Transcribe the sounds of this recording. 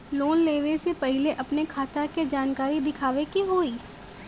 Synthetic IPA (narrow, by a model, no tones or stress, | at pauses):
loːnleːʋesepɐɦɪleʔɐpnekʰaːt̪aked͡ʒaːnkaːɾid̪ɪkʰaːʋekiɦoːiː